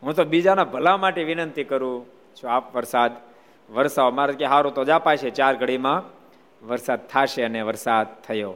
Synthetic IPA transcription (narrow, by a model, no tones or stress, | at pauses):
ɦũt̪obid͡ʒanabʱəlamaʈeʋɪnənt̪ikəɾũ | t͡ʃʰuapʋəɾsad̪ | ʋəɾsaomaɾakeɦaɾũt̪od͡ʒapajʃet͡ʃaɾɡʱəɽimã | ʋəɾsad̪̚t̪ʰaʃeəneʋəɾsad̪̚t̪ʰːəjo